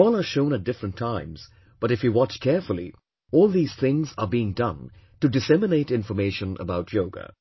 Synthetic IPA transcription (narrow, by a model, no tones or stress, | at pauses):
ɔlˠə˞ʃõʊ̃nɨt̚d̥ɪfɹə̃ntʰãɪ̃mz̥ | b̥ʌɾɨfjɨwɑt͡ʃkʰɛɹfəlˠḭ | ɔːlˠðiːz̥θɪ̃ŋzə˞biɪ̃ŋdʌ̃ntɨdɨsɛmɨneɪɾɪ̃nfə˞meɪʃə̃nʔə̰baʊtʰjoʊɡə̰